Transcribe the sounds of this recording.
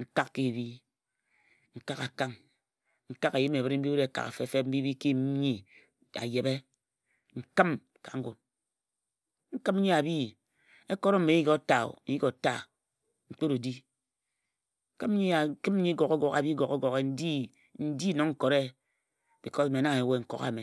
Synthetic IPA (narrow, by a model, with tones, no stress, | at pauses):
ŋ̩˨ka˦kki˦˨bi˦ | ŋ̩˨ka˦ka˨ka˦ŋ | ŋ̩˨ka˦ka˨ji˦me˨βɨ˦ɾm̩˦bi˦bi˦ɾe˨ka̰˨ka̰˨fe˦˨fe˦m̩˦bi˦bi˦ki˦ɲi˦ | a̰˨je˨be˦ | ŋ̩˨kɨ˦m | ka̰˨ŋ̩˦ɡu˨t | ŋ̩˦kɨ˦m̩˦ɲi˦a˨bi˦˨ | e˦ko˦ɾo˦m̩˦me˨˦ji˦ko˦ta˨o̰˨ji˦ko˨ta˦˨ | ŋ͡m̩˨k͡po˦ɾu˨di˦ | ŋ̩˦kɨ˦m̩˦ɲi˦a˨˦kɨ˦m̩˦ɲi˦ɡo˨ko˦ɡɔ˨ka̰˨bi˦ɡo˨ke˦ɡo˨ɣe˦n̩˦di˦ | n̩˦di˦no˨ŋŋ̩˦ko˨ɾe˦ | b̥i˨ko˦sme˨na˦ŋe˨we˦ŋ̩˨ko̰˨˦ɣa̰˨me˨